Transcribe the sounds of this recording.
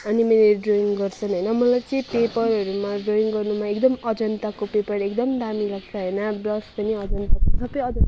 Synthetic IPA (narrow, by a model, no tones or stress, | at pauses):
ʌnimeleɖroiŋɡʌrt͡sʰʌnɦʌjnʌmʌlajt͡sʌĩpepʌɾɦʌɾumaɖroiŋɡʌrnumaekd̪ʌmʌd͡zʌnt̪akopepʌɾekd̪ʌmd̪amilaɡ̚t͡sʰʌɦʌjnʌblʌspʌniʌd͡zʌnt̪aksʌbʌjʌd͡zʌ